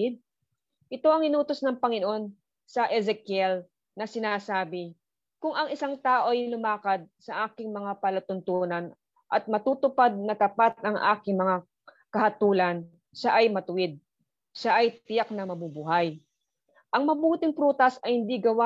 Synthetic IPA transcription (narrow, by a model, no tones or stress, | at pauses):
ɪd̪̚ | ʔɪt̪o̞ʔɐŋɪnuːt̪o̞snɐŋpɐŋɪnoʔo̞n | sɐʔɛzɛkjɛl | nɐsɪnaːsaːbɪ | kʊŋʔɐŋɪsaŋt̪aːʔo̞ʔɐjlʊmaːkɐd̪̚sɐʔaːkɪŋmɐŋapɐlɐt̪ʊnt̪unɐn | ʔɐt̪̚mɐt̪uːt̪ʊpad̪̚nɐt̪ɐpat̪̚ʔɐŋʔa̰ːkɪŋmɐŋa | kɐhɐt̪uːlɐn | ʃaʔɐjmɐt̪ʊwɪd̪̚ | ʃaʔɐjt̪ɪjak̚nɐmɐbubʊɦaj | ʔɐŋmɐbuːt̪ɪŋpɾuːt̪ɐsɐjhɪnd̪iɡɐwa